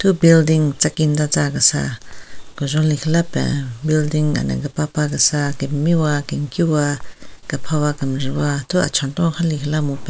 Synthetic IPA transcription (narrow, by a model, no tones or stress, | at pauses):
t̪ʰubildiŋt͡sakind̪at͡sakasa̰kɔzɔlikʰlapɛ̰̃bildiŋa̰na̰ɡapapakasakemiwakiŋkiwaɡ̥apʰawakamɾiwat̪ʰua̰t͡ʃʰɔnt̪ɔ̃xʰalikʰlamupɛ̃